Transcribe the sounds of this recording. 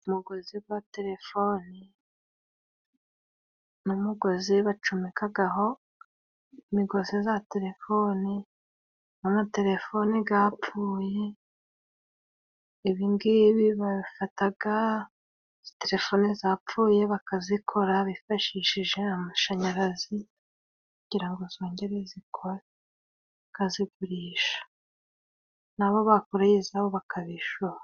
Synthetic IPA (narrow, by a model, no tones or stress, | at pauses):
umuɡo̞ziwate̞ɾe̞foni | numuɡo̞ziβat͡ʃumikʰaɡaɦo̞ | miɡo̞zizate̞ɾe̞fo̞ni | namate̞ɾe̞fo̞niɡapfuːje̞ | iβiŋɡiβiβaβifataɡa | z̥i̥te̞ɾe̞fo̞nizaːpp͡ffuːje̞βakazikʰo̞ɾaβifaʃiʃiʒe̞amaʃaɲaɾazi | kuɟiɾaŋɡozo̞ːɲɟe̞ɾezikʰoɾa | kaziɡuɾiːʃḁ | naβo̞βakoɾajizaβoβakʰaβiʃuɾa